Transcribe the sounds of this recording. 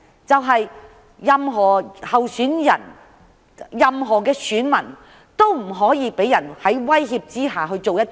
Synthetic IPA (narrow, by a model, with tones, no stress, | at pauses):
t͡sɐ˨wɦɐ˨jː | ɐ˨mɦɔː˨˩hɐ˨wsyː˨˥njɐ̰˨˩n | jɐ˨mɦɔː˨˩kɛː˧syː˨˥nmɐ˨˩n | t̪o˥wm̩˨˩ɦɔː˨˥jiː˨˧pe˨˥jɐ˨˩nhɐ˨˥jwɐ˥jɦiː˧p̚t͡siː˥ɦaː˨ɦɵ˧ɥt͡ʃo˨wjɐ˥t